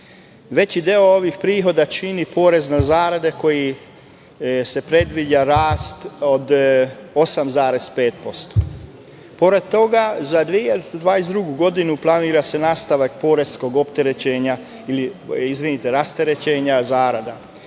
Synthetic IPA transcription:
ʋe̞t͡ɕid̪eoo̞ʋixpɾiːɦo̞d̪at͡ʃinipo̞ːɾe̞znazaːɾad̪e̞ko̞ji | se̞pɾe̞d̪ʋid͡ʑaɾaːst̪od̪osamzaːɾe̞spe̞ːt̪̚po̞st̪o̥ | po̞ɾe̞d̪̚t̪o̞ɡazad̪ʋieçelt̪ed̪ʋaːesd̪ɾuɡuɡo̞d̪inuplˠaniːɾase̞naːst̪aʋak̚po̞ːɾe̞zsko̞ɡopt̪e̞ɾet͡ɕe̞ːɲa | iliizʋinit̪e̞ɾast̪e̞ɾe̞t͡ɕe̞ːɲazaːɾad̪a

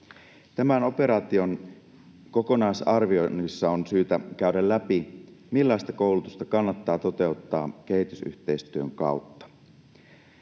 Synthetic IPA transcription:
t̪æmæno̞pe̞ɾɑt̪io̞n | ko̞ko̞nɑisɑrʋionisːɑonsyːt̪ækæydælːæpimilːɑist̪ɑko̞wlut̪ust̪ɑkɑnːɑt̪ːɑːt̪o̞t̪e̞ut̪ːɑːke̞ɦit̪ysy̰ht̪e̞ist̪yøŋkɑ̰ut̪ːɑ̥

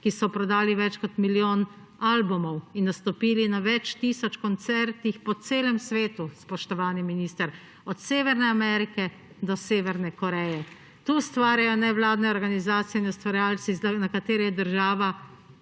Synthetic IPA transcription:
kisɔpɾɔd̪aːliʋɛt͡ʃkɔt̪miljoːn | aːlbumɔwinːast̪ɔpiːlinaʋɛt͡ʃt̪iːsɔt͡ʃkɔnt̪sɛɾt̪ixpɔt̪seːlɛmsʋeːt̪uspɔʃt̪ɔʋaːniminiːst̪əɾ | ɔt̪seːʋɛɾnɛamɛɾikɛ | d̪ɔseːʋɛɾnɛkɔɾɛjɛ | t̪uːst̪ʋaːɾjajɔnɛʋlaːd̪nɛɔɾɡanizaːt̪sijɛinust̪ʋaɾjaːlt̪siznakat̪eːɾɛjɛd̪əɾʒaːʋa

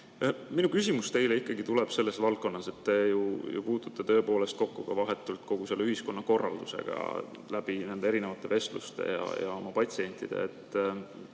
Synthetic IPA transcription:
minukysʲimust̪e̞jle̞ikːˑɑɡit̪ule̞b̥se̞lːe̞svɑl̚ko̞nːɑse̞t̪ːe̞jujṵpuːt̪ut̪ːˑe̞t̪ø̞ːpo̞ːle̞st̪̚ko̞kːukɑvɑɦe̞t̪ːˑult̪ko̞ɡ̥uselːyhisko̞nːɑko̞rːɑ̰ld̪̥use̞̰ɡ̥ɑ̰ | læbinend̪eeɾine̞vɑt̪ːˑe̞ve̞st̪lṵst̪e̞̰jɑ̰jɑ̰o̞mɑpɑt̪ʲsie̞nʲt̪ˑid̪̥e̞̰et̪ː

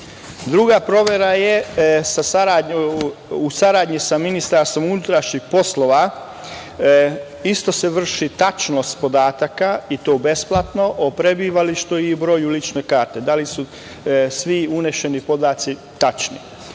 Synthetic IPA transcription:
d̪ɾuɡapɾo̞ʋeɾajesasaɾaːd | usaɾaːd̪ɲisaminist̪aɾst̪ʋo̞munut̪ɾaʃɲixpo̞slo̞ʋa | ist̪o̞seʋr̩ʃit̪at͡ʃno̞st̪po̞d̪aːt̪akait̪o̞ːbe̞splˠat̪no̞ʔopɾebiːʋaliʃt̪uibɾo̞ːjulit͡ʃne̞kaːɾt̪e̞d̪alisu | sʋiuneʃe̞nipo̞d̪aːt̪si | t̪at͡ʃnḭ

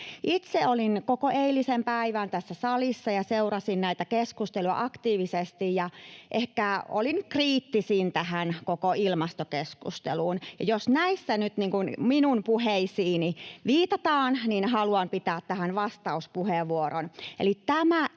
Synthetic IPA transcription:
ʔit̪seolinkokoʔeilisempæiʋænt̪æsːæsɑlisːɑjɑseurɑsinnæit̪ækeskust̪eluɑ̰ʔɑkt̪iːʋisest̪ijjɑʔehkæo̰linkriːt̪ːisint̪æhænkokoilmɑst̪okeskṵst̪ḛluːnjɑjosnæisːænyt̪niːŋkunminumpuheisiːniʋiːt̪ɑt̪ɑːnninhɑluɑmpit̪æːt̪t̪æhænʋɑst̪ɑuspuheʋːuoɾonḛlitt̪æmæ

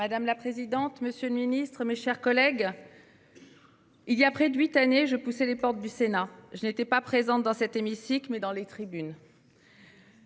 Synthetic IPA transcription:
mad̪amlapχezid̪ɑ̃t̪məsjøləminist̪χmeʃɛʁkɔlɛɡ | iljapχɛd̪ɥit̪aneʒəpusɛlepɔʁt̪̚d̪ysenaʒənet̪ɛpapχezɑ̃td̪ɑ̃sɛt̪emisikmɛd̪ɑ̃let̪χibyn

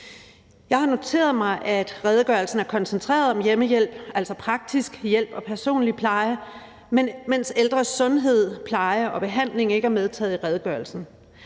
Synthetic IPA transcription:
jɑ̈ɪhɑ̈no̝t͡sʰe̝̰ːɐð̞̩ˠmɑ̈ɪʔæd̥ʁɛð̞ˠɡ̥ɶɐlsn̩æɐkʰɒ̽nsent͡sʰʁɛ̰ːɐð̞ˠɒ̽mjeməjel̰b̥æl̰sɒ̽pʰʁɑ̈ɡ̥̚d̥isɡ̥jel̰b̥ɒ̽pʰæɐso̝̰ːnlipʰlɑ̈ɪɐ | memenseld̥ʁɐsɔ̽nɦe̝ð̞̰ˠpʰlɑ̈ɪɐʔɒ̽b̥e̝ɦæn̰le̝ŋe̝ɡ̥æɐmeð̞ˠt͡sʰɛ̰ːð̩ˠiʁɛðˠəɡ̥ɶɐl̩sn̩

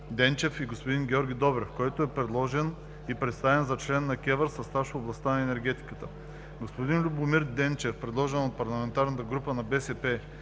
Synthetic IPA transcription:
d̪ɛnt͡ʃɛfiɡospod̪inɡʲɛɔɾɡʲid̪ɔbɾɛfkɔjt̪oɛpɾɛd̪lˠɔʒɛn | ipɾɛt̪st̪avɛnzɐt͡ʃlɛnːɐkʲɛvəɾsɐst̪aʃoblˠɐst̪anɐɛnɛɾɡʲɛt̪i̥kət̪ə | ɡospod̪inlʲʊbʊmiɾd̪ɛnt͡ʃɛfpɾɛd̪lˠɔʒɛnot̪̚pɐɾlˠɐmɛnt̪aɾnət̪əɡɾupənɐbɛsɛpɛ

